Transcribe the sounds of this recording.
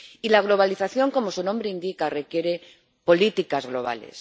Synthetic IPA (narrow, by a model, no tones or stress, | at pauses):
ilaɣ̞lo̞β̞aliθaθjo̞ŋko̞mo̞sunombɾeind̪ikare̞kje̞ɾe̞ | po̞lit̪ikazɣlo̞̰β̞a̰le̞̰s